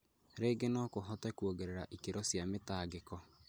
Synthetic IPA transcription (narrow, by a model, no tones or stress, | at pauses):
ɾeːɡenɔkoɦɔtɛkwoɡeɾeɾaʔikeɾɔsjametaːɡekɔ